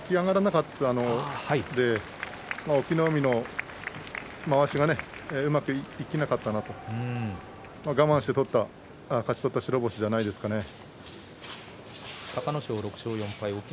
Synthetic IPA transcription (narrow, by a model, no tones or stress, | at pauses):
kʲiɡaɡaɾanakat̪ːaːno̞haid̪e̞ | maokʲinomʲino̞ | maβaɕiɡane̞ɯ̟makɯ̟iikʲinakat̪ːanat̪o̞ɯ̟̃ | maɡamãɰ̃ɕi̥t̪e̞t̪o̞t̪ːa | kat͡ɕi̥t̪o̞t̪ːaɕiɾo̞bo̞ɕid͡ʑanaid̪e̞sɨ̥kane̞ | t̪akanoɕoːɾo̞kɯ̟̥ɕoːjõ̞mpaiokʲ